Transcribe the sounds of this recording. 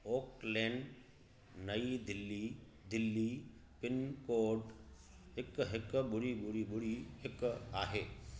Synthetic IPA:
oːklẽːɳɖ | nɐid̪ɪlːi | d̪ɪlːipɪnkoːɖ | ɦɪkɦɪkɓʊɽiɓʊɽiɓʊɽihɪkaːɦeː

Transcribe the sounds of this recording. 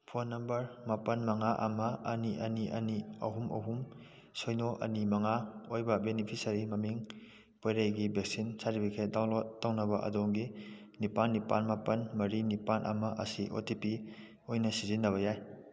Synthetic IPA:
pʰonːɐmbɐɾmapɐnmɐŋaʔɐmɐɐniʔɐniʔɐ̰niɐ̰ɦumɐ̰ɦum | sojnoʔɐ̰nimɐŋaojbɐbenipʰisɐɾimɐmiŋ | pojɾajɡibek̚sinsaɾipʰikʰet̚dawlotːawnɐbɐʔɐ̰doŋɡi | nipanːipa̰nmapɐnmɐɾinipanʔɐ̰mɐʔɐ̰siʔo̰tipi | ojnɐsizinːɐβɐjaj

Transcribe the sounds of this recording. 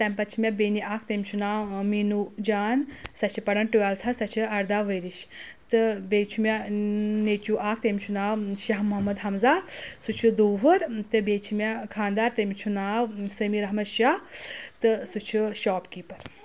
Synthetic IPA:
t̪ɐmʲpɐt͡ʃʰimʲebeːniʔaːk̚ʰt̪emʲt͡ʃʰunaːmiːnud͡ʒaːnsɐt͡ʃʰipɐɽɐnʈualt̪ʰɐsɐt͡ʃʰiɐɾd̪aːʋəjɾiʃt̪ɨbeːt͡ʃʰumʲeneːt͡ʃuʔaːk̚ʰt̪emʲt͡ʃʰunaːwʃɐɦmɐɦmɐd̪ɦɐmzaːsut͡ʃʰud̪uːɦɐɾt̪ɨbeːt͡ʃʰimekʰãːnd̪aːɾt̪ɐmʲt͡ʃʰunaːʋsəmiɾɐɦmɐʃat̪ɨsut͡ʃʰuʃaːpkiːpɐɾ

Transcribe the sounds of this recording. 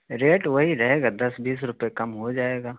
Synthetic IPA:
ɾeːʈʋɐɦiɾɐɦeːɡaːd̪ɐsbiːsɾʊpjekɐmɦod͡ʒaːeːɡaː

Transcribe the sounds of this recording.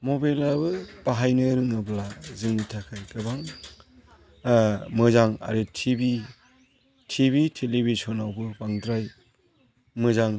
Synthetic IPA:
mobajlabɯb̥aɦajnɯɾɯŋɯblazɯŋnitʰakʰajkɯbaŋ | mɯzaŋa̰ɾetʰibi | tʰiβitʰelibisɔnawbɯbaŋdɾaj | mɯzaŋ

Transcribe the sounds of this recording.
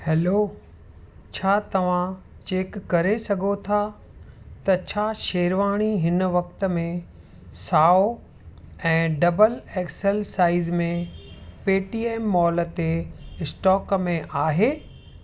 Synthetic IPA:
hɛːloː | t͡ɕʰaːt̪ɐʋ̤ã | t͡ɕeːkːɐɾesɐɡʱot̪ʰa | t̪ɐt͡ɕʰaːʃeːɾʋaːɽ̃iɦɪnʋɐk̚t̪ə̆mẽ | saːo | ɛ̃ːɖɐbəleːksəlsaːɪzmẽpeːʈiːeːmːɔːlət̪eɪsʈɔːkmẽʔaːɦeː

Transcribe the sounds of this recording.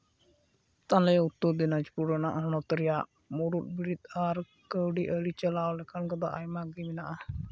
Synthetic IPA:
t̪anlɛut̪ːud̪inad͡ʒpuɾənaʔaɦnɔt̪əɾija | muɾut̪̚biɾit̪aɾ | kəwɖiʔəɽit͡ʃəlawlɛkʰankɔd̪a̰ʔajmaɡiminaʔa

